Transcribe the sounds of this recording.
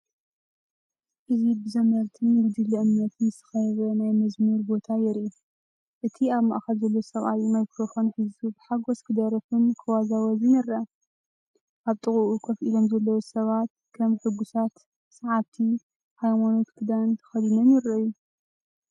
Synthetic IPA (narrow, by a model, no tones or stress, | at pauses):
ʔɨzibɨzɐmɐɾt̪ʰɨnjɨwd̪ɨlːɨʔɨmnɐt̪ʰnɨsɨ̥xɐjɛβɐnajmɐzmɨɾbo̞t̪ʰajɛɾu | ʔɨt̪ʰiaβma̰ʔaxɐlzɐlːowsɐβʔajumajkɾofonħizubɨħaɡoskʰɨd̪ɐɾɐfɨnkʰɐwazawɐzinɐɾɐ | ʔaβt̪ʼɨχʼuʔukʰɐfʔilomzɐlːɐwosɐβat̪ | kʰɐmħɨɡusat̪ | sɐʕaβt̪ʰi | hajmano̞t̪kʰɨd̪ant̪ʰɐ̥xɐlinɐnjɪɾɐju